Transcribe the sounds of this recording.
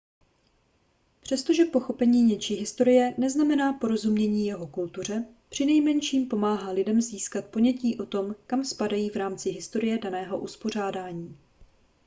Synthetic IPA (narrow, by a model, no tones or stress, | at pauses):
pr̝̥ɛst̪o̞ʒɛpo̞xo̞pɛɲiːɲɛt͡ʃiːɦɪst̪o̞ɾɪjɛnɛznamɛnaːpo̞ɾo̞zumɲɛɲiːjɛɦo̞kult̪ur̝ɛ | pr̝̥ɪnɛjmɛnʃiːmpo̞maːɦaːlɪdɛmziːskat̪̚po̞ɲɛciːʔo̞t̪o̞mkamspadajiːvɾaːmt͡sɪɦɪst̪o̞ɾɪjɛdanɛːɦo̞ʔuspo̞r̝aːdaːɲiː